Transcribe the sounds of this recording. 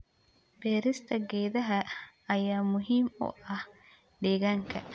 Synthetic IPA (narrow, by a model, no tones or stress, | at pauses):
bɛːɾɪst̪ʰɐɡɛːðɐɦɐːjaːmʊɦiːmɔ̰ːʔɐh | ɖɛːɡɐŋkʰɐ